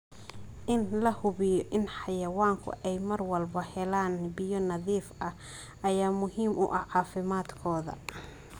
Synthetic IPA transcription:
ʔɪnlɐhʊβɪjɔʔɪnħɑjɐwaːŋkʰʊ̰ʔɛjmɐrwɐlbɐhɛlaːnbɪjɔnɐðiːfɐ | ʔɐjaːmʊɦiːmʔʊ̰ʔɐʕɑːfɪmaːd̪kʰɔːðɐ̰

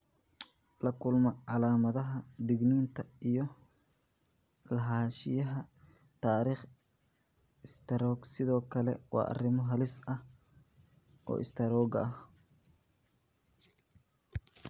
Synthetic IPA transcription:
lɐkʰʊlmɔʕɑlaːmɐðɐɦɐd̪ɪɡniːnt̪ʰɐijɔ | lɐɦaːʃɪjɐɦɐ | t̪ʰaːɾiːχ | ɪst̪ʰɐɾɔːɡsɪðɔːkʰɐlɛ̰wɑ̰ːʔɐ̰rɪmɔɦɐlɪsɐh | ʔɔ̰ːʔɪ̰st̪ʰɐɾɔːɡɐh

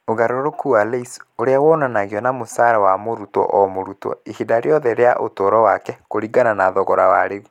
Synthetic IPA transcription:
oɣaɾoɾokualeisoɾeaɣɔnanaɣiɔnamosaɾawamoɾutɔ̰ʔɔmoɾutɔ̰ihidaɾjɔðɛɾeaʔotoɾɔwakɛkoɾiɡananaðɔɣɔɾawaɾeɣu

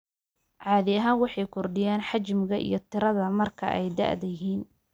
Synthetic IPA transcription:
ʕɑːðɪɐɦaːnwɑħɑjkʰɔrɖɪjaːnħɑt͡ʃmɪɣɐʔḭjɞt̪ʰɪɾɐðɐmɐrkʰɐʔɛ̰jd̪ɐ̰ʕd̪ɐjɦiːn

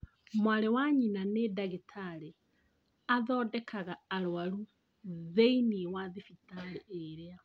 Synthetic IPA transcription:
mwaɾewaɲinanedaɣetʰaɾe | aðɔːdɛkʰaɣaːɾwaɾu | ðeiniwaðefitaɾeʔeɾea

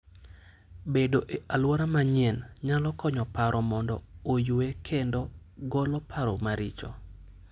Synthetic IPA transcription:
bedoʔeʔalwɔɾamaɲɪɛnɲalɔkɔɲɔpaɾʔɔmɔndɔ̰ojuekʰendɔ | ɡɔlɔpʰaɾɔmaɾɪt͡ʃɔ̰

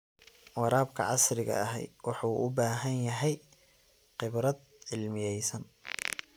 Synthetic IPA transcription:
wɑɾaːbkʰɐ̰ʕɑsɾɪɣɐ̰ɐɦɛ̰j̪wɑħuːʔʊbaːɦɐnjɐɦɛj | qɪbɾɐd̪̚ | ʕɪlmɪjɛjsɐn

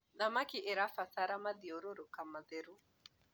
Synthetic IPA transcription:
ðamakiʔɪɾafasaɾamadioɾoɾokamaðeɾu

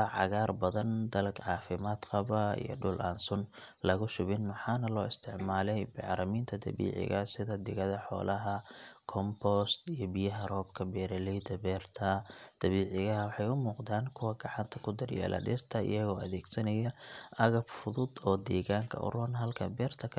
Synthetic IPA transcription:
ɐʕɑ̰ɣaːrbɐðɐnd̪ɐlɡʕɑːfɪmaːd̪qɑβɐḭjɔ̰ɖʊlʔaːnsʊn | lɐɣʊʃʊβɪnmʊħɑːnɐlɔːɪst̪ʰɪʕmaːlɛjbɪʕɾɐmiːnt̪ʰɐd̪ɐ̰βḭːʕɪ̰ɣɐsɪðɐd̪ɪɣɐðɐħɔ̰ːlɐɦɐkʰɔmbɔst̪ijɞbijɐɦɐrɔːbkʰɐbɛːɾɐlɛd̪ɐbɛːrt̪ʰɐd̪̥ɐβiːʕɪɣɐɦɐwɑħɑjʊmuːqd̪aːnkʰʊwɐɡɑʕɑnt̪ʰɐkʰʊd̪ɐrjɛ̰ːlʔɐ̰ɖɪ̰rt̪ʰɐɪ̰jɐɣɔːɐðɛːɡsɐnɐjɐʔɐɣɐbfʊðʊd̪ɔːd̪ɛːɣaːŋkʰɐ̰ʔʊ̰rʊnɦɐlkʰɐbɛːrt̪ʰɐkʰɐ

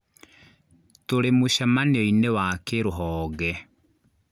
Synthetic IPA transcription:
toɾemoʃamaneɔinewakeɾoɦɔːɣɛ

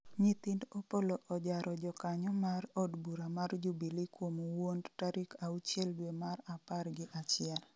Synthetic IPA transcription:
ɲɪt̪ɪndopoloʔɔd͡ʒaɾɔd͡ʒɔkaɲɔmaɾɔdbuɾamard͡ʒubilikwomowondtaɾɪkʰaut͡ʃjɛldwemaɾaparɡɪʔat͡ʃɪjɛl

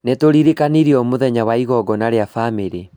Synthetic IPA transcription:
netoɾiɾikaniɾiɔmoðɛɲawaiɣɔɡɔnaɾeafamiɾe

